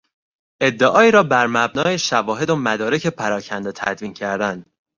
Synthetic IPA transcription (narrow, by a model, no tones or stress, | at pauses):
ʔe̞d̪ːeʔɒːiːɾɒːbæɾmæbnɒːeʃævɒːɦe̞d̪omæd̪ɒːɾecʰe̞pʰæɾɒːcʰænd̪et̪ʰæ̰d̪viːncʰæɾd̪ænd̪